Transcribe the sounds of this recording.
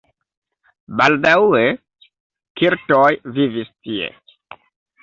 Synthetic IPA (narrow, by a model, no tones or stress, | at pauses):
baldawe | kiɾtojvivistiḛ